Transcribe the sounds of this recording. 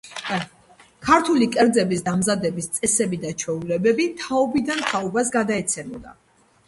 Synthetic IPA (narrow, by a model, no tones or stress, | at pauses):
kʰaɾt̪ʰulikʼɛɾd̪zɛbisd̪amzad̪ɛbist̪sʼɛsɛbid̪at͡ʃʰwɛulɛbɛbit̪ʰaɔbid̪ant̪ʰaɔbas̬ɡad̪aɛt̪sʰɛmɔd̪a̰